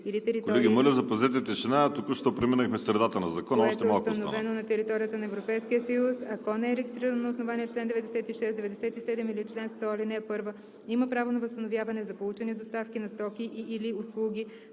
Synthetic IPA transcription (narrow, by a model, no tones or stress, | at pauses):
ilit̪ɛɾit̪ɔiɡʲimolʲəzɐpɐzɛt̪̬ɛt̪ɛʃɛnat̪ukəʃt̪opɾiminəxmɛsɾɛd̪at̪ənɐzɐkɔnɐɔɛst̪ɛmakt̪snovɛnonɐt̪ɛɾit̪ɔɾijət̪ənɐɛvɾopɛjsk̟ijəsɐjusɐkɔnɛɛɾɛɡʲist̪ɾiɾənonɐʊsnovaniɛt͡ʃlɛnd̪ɛvɛd̪ɛsɛt̪iʃɛsd̪ɛvɛd̪ɛsɛt̪isɛd̪ɛmilit͡ʃlɛnst̪ɔlinɛpɤɾvə | iməpɾavonɐvəst̪ənovjavɐnɛzɐpolˠut͡ʃɛnid̪ost̪afkʲinɐst̪ɔkʲiʔʔːliʊslˠuɡʲi